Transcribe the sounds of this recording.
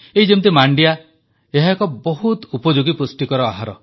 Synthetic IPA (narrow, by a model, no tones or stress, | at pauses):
eɦid͡ʒemt̪̬imaɳɖija | eɦakɔbɔɦut̪upɔd͡ʒuɡipusʈikɔɾɔaɦaɾɔ̰